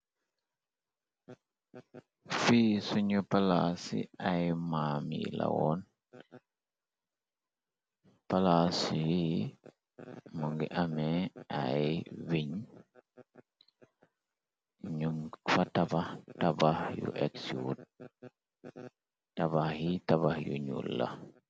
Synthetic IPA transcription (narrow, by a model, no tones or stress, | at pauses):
fisuɲupalasḭajmamḭla̰wɔn | palasiji | muŋɡiʔamɛajwiɲ | ɲuŋfatabahtabahjṵʔɛksut̚ | tabahjitabahjṵɲṵlːa̰